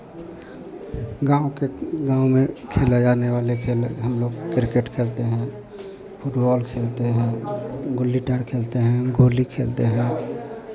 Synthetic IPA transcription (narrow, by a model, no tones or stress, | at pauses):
ɡãːokeɡãːumẽkʰelad͡ʒaneʋaːlekʰeːlɦəmloːɡkɾkeʈkʰeːlt̪eɦɛ̃ | pʰʊʈbɔːlkʰeːlt̪eɦɛ̃ɡʊlːiʈəɾkʰeːlt̪eɦɛ̃ɡoːlikʰḛːlt̪ḛɦɛ̃